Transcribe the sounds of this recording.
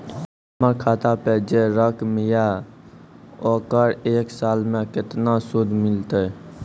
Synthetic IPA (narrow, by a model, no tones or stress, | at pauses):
məɾkʰaːt̪aped͡ʒeɾəkmɪja | oːkəɽeːksaːlmẽkɪt̪nasʊd̪ʱmɪlt̪e